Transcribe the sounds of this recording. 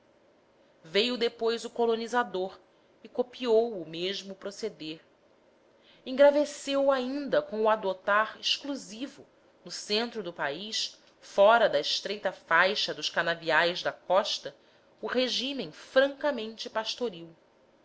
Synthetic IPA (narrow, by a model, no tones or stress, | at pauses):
vejʊd̪epojzʊkolonizad̪oɾ | ɪkopiowʊmeʒmʊpɾosed̪eɾ | ĩŋɡɾavesewaĩnd̪ɐkõw̃uad̪ot̪aɾɪʃkluzivʊ | nʊsẽnt̪ɾʊd̪ʊpaiʃ | fɔɾɐd̪ɐiʃt̪ɾejt̪ɐfajʃɐd̪ʊʃkanaviajzd̪ɐkɔʃt̪ɐ | ʊheʒimẽj̃fɾɐ̃ŋkɐmẽnt͡ʃɪpaʃt̪oɾiw